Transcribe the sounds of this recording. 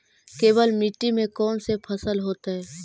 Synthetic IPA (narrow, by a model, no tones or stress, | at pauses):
keːbəlmiʈːimẽkɔːnsepʰəsəlɦoːt̪aɦɛː